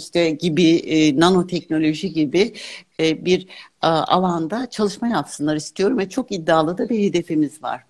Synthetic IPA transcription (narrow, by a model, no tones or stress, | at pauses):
iʃt̪ɛɟibinano̞t̪ʰɛcno̞lʲo̞ʒiɟibɪ | biɾʔa̰lˠand̪at͡ʃʰalˠɯʃmajapsɯnlˠaɾɯist̪ʰijo̞ɾumvɛt͡ʃʰo̞kid̪ːaːlˠɯd̪abiɾhe̞d̪e̞fimizva̰ɾ̥